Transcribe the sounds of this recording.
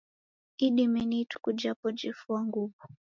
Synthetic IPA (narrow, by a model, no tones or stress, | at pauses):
iɗimɛnitu̥kud͡ʒapɔd͡ʒifuaŋɡuvu